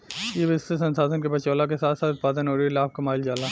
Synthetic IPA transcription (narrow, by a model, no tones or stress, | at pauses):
jeʋɪst̪esɐnsaːd̪ənkebɐt͡ʃoːlak̬esaːt̪ʰsaːt̪ʊt̪̚paːd̪ənɦoːɾilaːb̚kɐmaːɪld͡ʒaːlaː